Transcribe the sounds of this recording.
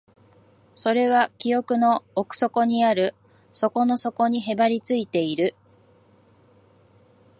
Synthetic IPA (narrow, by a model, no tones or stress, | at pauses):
so̞ɾe̞β̞akʲijo̞kɯ̟no̞ːkɯ̥so̞ko̞ɲ̟iaɾɯ̟ | so̞ko̞no̞so̞ko̞ɲ̟iɦe̞baɾʲit͡sɨit̪e̞iɾɯ̟